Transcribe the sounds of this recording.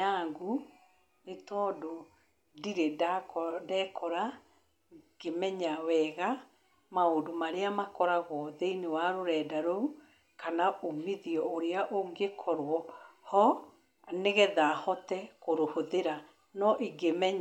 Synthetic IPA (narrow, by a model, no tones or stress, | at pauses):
aŋɡu | netɔdo | diɾedakdɛːkʰɔɾa | ɡ̥emɛɲawɛɣa | maodomaɾeamakɔɾaɣɔðeinewaɾoɾɛːdaɾou | kanaʔomiðiɔoɾeaʔoŋɡekʰɔɾwɔhɔ | neɣɛðaːhɔtɛkoɾohoðeɾa | nɔʔiɡemɛɲ